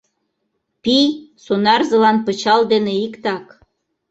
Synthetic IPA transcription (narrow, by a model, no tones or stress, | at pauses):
pisonɑrzɤ̆lɑnpət͡ɕɑld̪eneikt̪ɑk